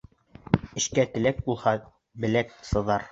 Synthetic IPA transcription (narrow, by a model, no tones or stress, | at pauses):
ɘ̆ʃkæt̪ɘ̆læk̚bulˠhɑ | bɘ̆læk̚sɤ̆ðɑɾ